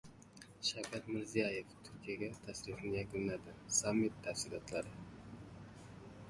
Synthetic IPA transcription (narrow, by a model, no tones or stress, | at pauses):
ʃakʲʰat̪mɪɾzijajeft̪ʰʊɾkʲʰijaɡʲat̪ʰasɾiχnɪjakʲʊnlad̪ɪsamːit̪ʰːæfsilˠɒt̪lˠaɾɪ